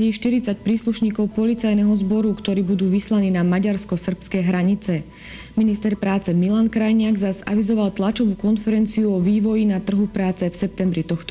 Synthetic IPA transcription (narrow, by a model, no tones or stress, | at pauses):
ɛʃt̪iɾit͡sac̚pɾiːsluʃɲiːkɔʊpɔlit͡sajnɛɦɔzbɔɾukt̪ɔɾiːbud̪uːʋislaniːnamaɟaɾskɔsr̩pskɛjɦɾaɲit͡sɛ | minist̪ɛɾpɾaːt͡sɛmilankɾajɲɪaɡzaza̰ʋizɔʋalt̪lat͡ʃɔʋuːkɔnfɛɾɛnt͡siuɔʋiːʋɔjinat̪r̩ɦupɾaːt͡sɛfsɛp̚t̪ɛmbɾit̪ɔxt̪ɔ